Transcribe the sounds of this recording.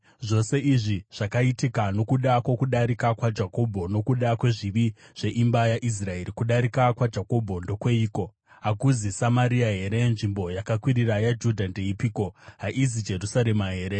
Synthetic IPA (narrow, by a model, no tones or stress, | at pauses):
ʐo̞se̞ʔiʐiʐ̥akaitikano̞kuɗakwokuɗaɾikakwad͡ʒako̞bʱo̞no̞kuɗakwe̞ʐiʋiʐ̥e̞ʔimbajaʔis̬rae̞ɾikuɗaɾikakwad͡ʒako̞bʱo̞ndo̞kwe̞iːko̞ | ɦakuzisamaɾiaɦe̞ɾe̞nʐimbo̞jakakwiɾirajad͡ʒudʱande̞ipiːko̞ɦaʔizid͡ʒe̞rusaɾe̞maɦe̞ːɾe̞